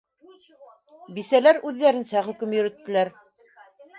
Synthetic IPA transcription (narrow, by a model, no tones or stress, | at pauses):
bisælæɾʉðːæɾɘ̆nsæχɵ̆kɵmjɵ̆ɾɘ̆t̪ːɘ̆læɾ